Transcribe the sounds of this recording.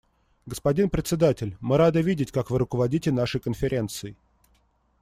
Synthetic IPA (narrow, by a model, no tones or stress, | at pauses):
ɡəspɐdʲinpɾʲɪt̪ʲsʲɪd̪atʲɪlʲmɨɾad̪ɨvʲidʲɪtʲkakvɨɾʊkəvɐdʲitʲɪnaʂɨjkənfʲɪɾʲe̞nt̪sɨɪ